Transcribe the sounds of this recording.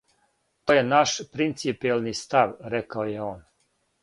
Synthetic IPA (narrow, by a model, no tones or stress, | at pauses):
t̪ojenaʃpɾint̪sipijelnist̪aʋɾekaojeoːn